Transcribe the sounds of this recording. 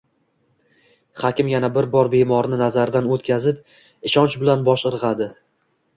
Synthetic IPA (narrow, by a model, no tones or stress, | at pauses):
χɒkʲɪmjanabɪɾbɒɾbe̞mɒɾnɪnazaɾd̪anot̪kʲʰazɪp̚ | ɪʃɒnt͡ʃbɪlanbɒʃɨɾʁɑd̪ɪ